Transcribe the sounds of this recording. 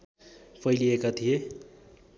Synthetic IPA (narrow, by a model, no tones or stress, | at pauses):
pʰʌjliekat̪ʰije